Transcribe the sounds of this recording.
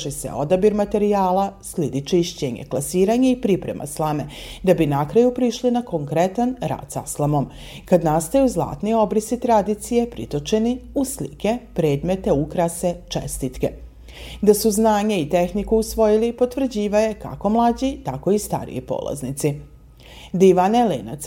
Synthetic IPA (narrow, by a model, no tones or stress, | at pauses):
ʃisḛo̞d̪abiɾmat̪e̞ɾijaːlˠaslid̪it͡ʃiʃt͡ɕeɲḛklˠasiːɾaɲeipɾipɾe̞̰mʔa̰slˠame̞ | d̪abinakɾajupɾiʃlinakoŋkɾet̪anɾa̰ːd̪sa̰slˠamo̞m | kad̪nast̪ajuzlˠa̰ːt̪nio̞bɾisit̪ɾad̪it̪sije̞pɾḭt̪o̞t͡ʃe̞niuslḭke̞pɾe̞ːd̪me̞t̪e̞ukɾase̞t͡ʃḛst̪it̪ke̞ | d̪asuznaːɲeit̪e̞xnikuusʋo̞jilipo̞t̪ʋr̩d͡ʑiːʋaje̞ka̰ko̞mlˠad͡ʑit̪ako̞ist̪a̰ɾḭjo̰po̰ːla̰znit̪si | d̪iʋanelḛːna̰t̪s